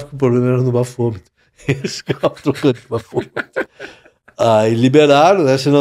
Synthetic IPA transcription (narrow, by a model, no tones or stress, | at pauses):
vikɪp̬ɾoblẽmɐɛɾɐ̃nʊbafomit̪ʊ̥ | eskaat̪ɾokɐ̃t̪bafomit̪ | ailibeɾaɾõɛsenɐ̃